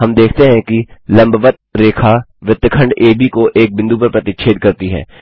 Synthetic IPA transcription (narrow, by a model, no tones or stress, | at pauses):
ɦɐmd̪eːkʰt̪eɦɛ̃kilɐ̃mbʋət̪̚ɾeːkʰaʋɪt̪ːkʰə̃ɳɖeːbikoʔeːk̚bɪ̃nd̪upɐɾpɾət̪ɪt̪t͡ʃʰeːd̪̚kɐɾt̪iɦɛ̰ː